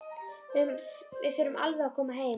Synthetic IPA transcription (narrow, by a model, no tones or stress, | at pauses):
vɪ | vɪðfɪːɾʏmʔa̰lvɛakʰɔːmaɦeː